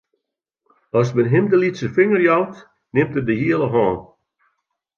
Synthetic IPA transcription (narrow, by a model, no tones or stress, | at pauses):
ɔsmɛnɦɪmdəlitsəfɪŋərjɔwt | nɪmtədəɦiəlˠəɦɔːn